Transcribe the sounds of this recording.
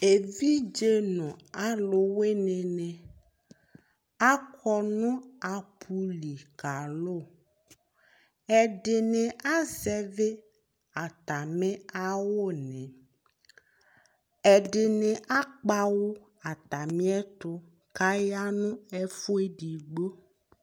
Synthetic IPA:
e˨vi˦d͡ʒe˦nɔ̃˨a˦lʊ˨we˦nẽ˨nɛ̃˨ | a˦kʰɔ˦nʊ̃˦a˨pʰu˦li˨ka˨lʊ˦˨ | ɛ˨ɖɪ˨nẽ˨a˦zɛ˦ve˦ | a˨t̪a˨mẽ˦a˦wo˦˨nɛ̃˨ | ɛ˨ɖɪ˨nẽ˨ʔa˦k͡pa˦wo˦ | a˨t̪a˨mĩ˦ɛ˦t̪ʊ˦ | ka˦ja˦nũ˦ɛ˦fu˦e˦ɖi˨ɡ͡bo˦

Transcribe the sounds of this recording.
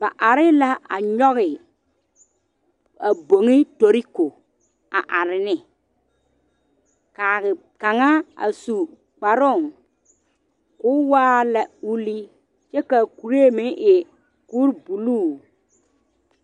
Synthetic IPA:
ba˨ʔa˨ɾɪ˦la˦a̰˨ɲɔ˦ɣɪ˨ | a˨bo˨ŋɪ˦to˨ɾi˦ko˨ | a˨ʔa˨ɾɪ˨nɪ˦ | kaː˨ɣɪ˨ | ka˨ŋa˦a̰˨su˨ | k͡pa˨ɾʊ˦˨ŋ | kʊ˦waː˦la˨u˦li˦ | t͡ʃɛ˦ka˨ku˨ɾe˦˨mɪ˦ʔɪ˨ | ku˦ɾbu˨luː˦˨

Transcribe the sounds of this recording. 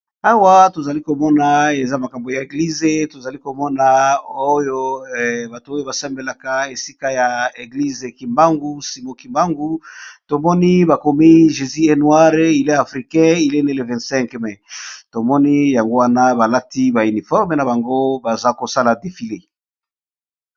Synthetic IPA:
a˦wa˦to˨za˨li˦ko˨mɔ˦na˨e˨za˦ma˨ka˨mbo˨ja˨e˨ɡli˦ze˨to˨za˨li˦ko˨mɔ˦na˨o˦jo˦ba˨tu˨o˦jo˦ba˨sɛ˦mbe˨la˨ka˨e˨si˦ka˦ja˨e˨ɡli˦ze˨ki˨mba˦ŋɡu˦si˨mo˦ki˨mba˦ŋɡu˦to˨mɔ˦ni˦ba˨ko˨mi˦ʒe˨zi˦e˦nwa˦ʁi˨le˦a˨fʁi˨kɛ̃˦i˨le˦ne˦le˨vɛ̃˨sɛ̃˦ŋkmɛ˨to˨mɔ˦ni˦ja˨ŋɡo˦wa˦na˦ba˨la˦ti˦ba˨y˨ni˨fɔ˦ʁme˨na˨ba˨ŋɡo˦ba˨za˦ko˨sa˦la˨de˨fi˨le˨

